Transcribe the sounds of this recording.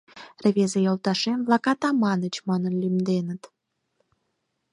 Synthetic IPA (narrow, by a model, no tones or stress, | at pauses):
reβezejolˠt̪ɑʃemβlɑkɑt̪ɑmɑnət͡ɕmɑnənlymd̪enət̪